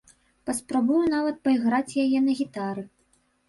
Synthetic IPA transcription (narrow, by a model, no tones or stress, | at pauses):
pɐspɾabujun̪avɐt̪̚pɐiɣɾat͡sʲjajɛnɐɣʲit̪aɾɨ